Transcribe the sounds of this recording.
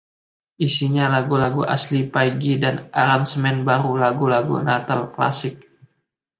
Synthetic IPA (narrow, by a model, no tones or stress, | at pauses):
ʔisiɲalaɡulaɡuʔa̰slipaiɡidanʔaɾansəmɛnbaɾulaɡulaɡṵnat̪alkla̰sɪk̚